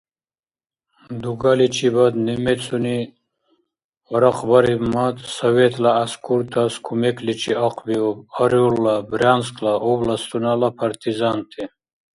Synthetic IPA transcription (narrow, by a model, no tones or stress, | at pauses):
d̪uɡalit͡ʃʰibad̪nimɛt͡sʰʼuni | ɔɾɐqʰbaɾibmat̪sɐwɛt̪ʰlaːskʰuɾt̪ʰaskʰumɛkʰlit͡ʃʰiaqʰbiɔbaɾulːabɾanskʰlaʔɔblast̪unalapʰaɾt̪ʰizant̪ʰi